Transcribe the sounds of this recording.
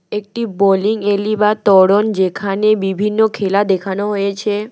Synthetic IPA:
ek̚ʈiboliŋelibat̪ɔɽond͡ʑekʰanebibʱinːokʰelad̪ekʰanoɦojet͡ɕʰe

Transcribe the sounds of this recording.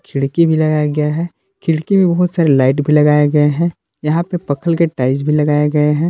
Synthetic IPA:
kʰɪɽkibʱilɐɡaːjaɡɐjaɦɛ | kʰɪɽkimẽbɐɦʊt̪saːɾelaːɪʈbʱilɐɡaːjeɡɐeɦɛ̃ | jɐɦãpepɐkʰəlkeʈaːɪd͡ʒbʱilɐɡaːjeɡɐeɦɛ̃ː

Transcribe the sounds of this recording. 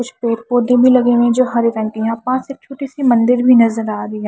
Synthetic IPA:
kʊt͡ʃʰpeːɾpoːd̪ʱẽbʱilɐɡẽʋẽd͡ʒoːɦɐɾeɾɐ̃ɳʈiɦãːpãːseːk̚t͡ʃʰoːʈisimɐ̃nd̪ɪɾbʱinɐzəɾaːɾəiã

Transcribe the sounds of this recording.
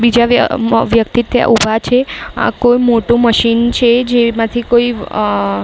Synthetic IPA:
bid͡ʒaʋjəkt̪it̪ʰəja̰ʔubʱat͡ʃʰea̰kojmoʈũməʃint͡ʃʰed͡ʒemãt̪ʰikoi

